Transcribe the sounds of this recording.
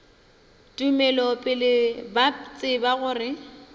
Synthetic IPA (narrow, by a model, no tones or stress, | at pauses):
tʼumɛlɔpʼɪlɪbat͡sʼɪbaɣʊːrɪ